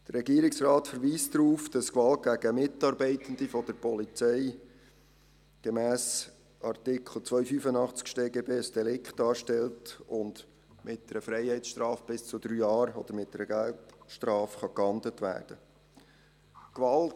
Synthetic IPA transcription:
d̥ərɾɛɡiːɾɪksrɑːtfəɾʋiːsdɾuːfd̥ɑskʋɑlt̚ɡ̥æɡ̥əmɪtɑɾbɛɪtən̩d̥̪ifɔd̥əɾpɔlit͡sɛɪ | ɡ̥ɛmæːs | ʔɑrtɪkχl̩t͡sʋœʏfyfənɑχt͡skʃteːɡeːbeːsd̥ɛlɪkχtɑːɾʃtɛltʊnd̥ | mʔɪt̚dɛɾəfɾɛɪhɛɪt͡ssʃtrɑːfb̥ɪst͡sʊd̥̪ɾyːjɑːɾɔd̥̪əɾmɪt̚dɛɾəɡæltʃtrɑːfχɑkhɑndlətʋæ̰ːɾd̥ə | kʋɑlt

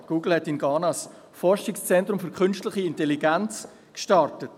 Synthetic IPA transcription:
ɡ̥uːɡl̩hɛtɪnɡɑːnɑs | fɔɾʃɪkst͡sɛntɾʊmfʏɾkʰʏnʃtlɪχiɪntɛliɡænt͡s | kʃtɑɾtət

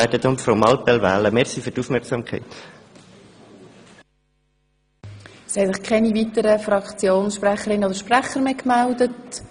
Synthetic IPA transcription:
ɪtətʊntfɾomɑlpɛlvæːləmɛɾsiːfyɾtuːfmɛɾksɑmkʰɛ̰ɪt̪ | shɛlɪχkʰɛnivitəɾəfrɑkt͡sjoːnsʃpɾæχəɾɪnodəɾʃpræχəɾmeːkmældət

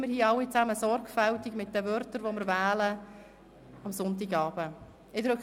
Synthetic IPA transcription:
məɾhiːɑwːit͡sæməsɔɾkfæltiɡmɪt̚d̥ɛvœrtəɾvomɪɾvæːlə | ɑmsʊntiɡɑːb̥ə | ɪd̪ɾɵk

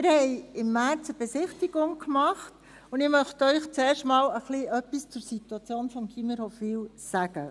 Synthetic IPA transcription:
ɪɾəhɛɪɪmːæɾt͡səb̥ɛsɪχtiɡ̥ʊŋkmɑχt | ʊndɪmœχtœʏχt͡sɛːɾʃtmɑːləχliœpːist͡sʊɾsituɑt͡sjoːnfɔmkʰiməɾhɔfiːlsæɡ̥ə

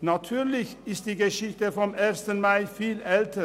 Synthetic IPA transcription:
nɑt̪ʰʉːɾlɪçɪst̪̚d̪iːɡəʃɪçt̪əfɔmeːɾst̪ənmɑɪfiːlɛlt̪ʰə

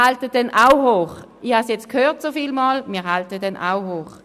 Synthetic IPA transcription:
altəd̥ɛnʔawɦoːχ | ihasjɛt͡skʰhøːɐtsofiːlmɑlmiːɐɦaltədɛnʔa̰wɦoːχ

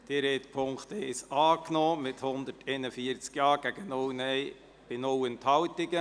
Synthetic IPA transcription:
d̥iɾɛːt̪pʰʊŋkt̪ɛɪsɑːknɔːmɪt̪hʊnd̪ətʰɛːnəfiəɾt͡skjɑːɡ̥æɡənownɛɪ | b̥ɪnowənt̪hɑwt̪ɪɡə

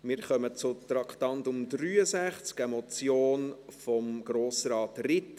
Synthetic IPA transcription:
mɪːɾχœmət͡sʊt̪ɾɑkʰtɑntʊmdɾyːəsæχt͡skɛmɔt͡sjoːnfɔmɡ̥ɾoːsɾɑːtrɪt

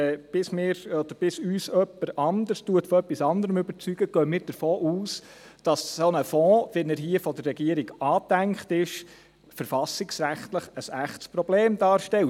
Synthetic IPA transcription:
b̥ɪsmɪːɾɔd̥̪əɾb̥ɪsyːsœpːəɾɑnd̪əɾstuətfɔœpːisɑnd̪əɾəmɵbəɾt͡syɡ̥əɡ̥œːmɪːɾd̥əɾfoːʔuːs | d̥ɑssonəfɔ̃ːʋɛnəɾɦiəfɔd̥əɾːɛɡ̥iəɾɪɡɑːd̪æŋkχtɪʃ | fəɾfɑsɪksɾæχt̪ləχəsæχtspɾɔb̥leːmd̥ɑːɾʃtɛl

